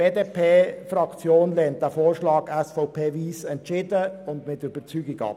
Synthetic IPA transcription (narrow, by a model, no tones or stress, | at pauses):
b̥eːdeːpʰeːfrɑkt͡sjoːnlɛːnt̚ːæfoːɾʃlɑːɡɛsfɔʊpʰeːviːsɛntt͡ʃɪdəʊndmɪtyb̥əɾt͡syːɡɪɡɑ̰p